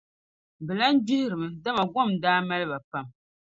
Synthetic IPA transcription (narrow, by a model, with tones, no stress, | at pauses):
bɨ˨la˦n˦d͡ʒi˦hɪ˦ɾɨ˨mɨ˨da˦ma˨ɡʷɔ˦˨mdaː˦ma˦lɨ˦ba˨pa˦m